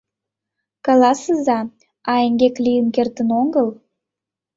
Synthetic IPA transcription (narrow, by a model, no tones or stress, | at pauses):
kɑlɑsəzɑ | ɑeŋɡʲeklʲijəmkert̪ənoŋɡəl